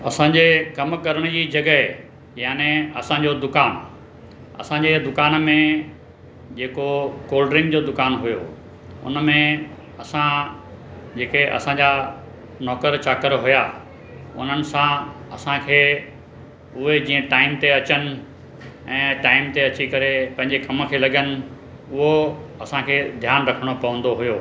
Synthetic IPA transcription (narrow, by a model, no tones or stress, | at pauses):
ɐsãːɲd͡ʑekɐmkɐɾəɽ̃ʊd͡ʑiːd͡ʑɐɡəɦ | jaːnẽɐ̰sãɲd͡ʑod̪ʊkaːn | ɐ̰sãːɲd͡ʑed̪ʊkaːnmẽ | d͡ʑeːkokoːlɖɾɪ̃ŋɡd͡ʑod̪ʊkaːnɦʊjo̰ː | ʊ̰nmẽ | ɐsã | d͡ʑeːkeʔɐ̰sãɲd͡ʑa | nɔːkəɾt͡ɕaːkəɾɦʊja | ʊ̰n̤ənɪ̆sãɐsãkʰeː | ʊɦed͡ʑiːə̃ʈaːɪmt̪eɐt͡ɕənɪ̆ | ɛ̃ːʈaːɪmt̪eɐt͡ɕikɐɾepɐ̃ɦɪ̃ɲd͡ʑekɐmkʰeːlɐɡənɪ̆ | ʊɦoɐsãkʰeːd̪ʱjaːnɾɐkʰəɽ̃opɐʋə̃nd̪oɦʊjoː